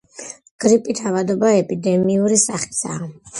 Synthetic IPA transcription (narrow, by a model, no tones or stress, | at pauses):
ɡ̥ɾipʼit̪ʰavad̪ɔbaɛpʼid̪ɛmiuɾisaχi̥sa̰ː